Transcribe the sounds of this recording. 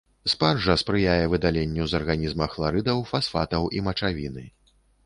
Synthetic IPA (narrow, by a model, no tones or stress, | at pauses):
sparʐɐspɾɨjajɛvɨd̪alʲenʲːuzɐrɣanʲizmɐxlˠaɾɨd̪ɐwfasfat̪ɐwʔimɐt͡ʂavʲinɨ